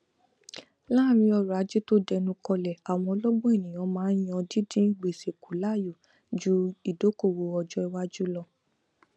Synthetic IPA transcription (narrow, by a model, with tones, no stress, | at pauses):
la˦˨mĩ˧ɔ˧˨ɾa˨˦d͡ʒi˦to˦dɛ˧nũ˧kɔ˧lɛ˨a˨w̃ɔ̃˧lɔ˦ɡ͡bɔ̃˦e˦˨nĩ˨j̃ɔ̃˨˧˦mãː˨˦jɔ̃˧di˦dĩ˦ɡ͡be˨se˨ku˨˦la˦˨ju˨ | d͡ʒu˦i˨do˨˦ko˦˨wo˧ɔ˧d͡ʒɔ˦i˧wa˦d͡ʒu˦lɔ˧